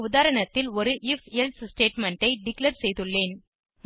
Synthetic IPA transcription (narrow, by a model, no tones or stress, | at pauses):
ʊðaːɾɐɳɐt̪ːɪlɔɾɯʔɪfelssʈeːʈmɐɳʈɐɪɖɪklɐɾsɛjðɯɭːeːn